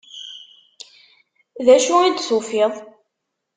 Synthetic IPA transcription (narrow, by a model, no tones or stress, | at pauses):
ðæʃuid̪θufiðˤ